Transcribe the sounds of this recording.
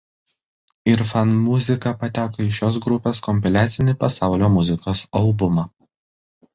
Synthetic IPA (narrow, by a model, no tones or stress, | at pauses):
ɪɾfɐnmʊzʲɪkɐpɐt̪ʲæːkoɪʃʲoːs̬ɡɾʊpʲeːskɔmʲpʲɛlʲæːt̪sʲɪnʲɪpɐsɑˑʊlʲoːmʊzʲɪkoːsɐlˠbʊmɑː